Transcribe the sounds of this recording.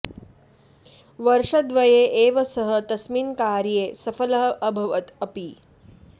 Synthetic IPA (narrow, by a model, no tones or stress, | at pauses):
ʋɐɾʂɐd̪ʋɐjeːʔeːʋɐsɐɦət̪ɐsmiːnkaːɾjeːsɐfɐlɐɦɐʔɐbʱɐʋɐt̪ɐpi